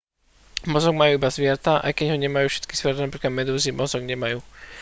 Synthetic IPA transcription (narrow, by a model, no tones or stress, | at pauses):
mɔzɔɡ̚majuːibaszʋɪɛɾt̪aʔa̰jkɛɟɦɔɲɛmajuːfʃɛ̥t̪ki̥z̥ʋɪɛɾt̪anapɾiːklad̪mɛd̪uːzimɔzɔɡɲɛmajuː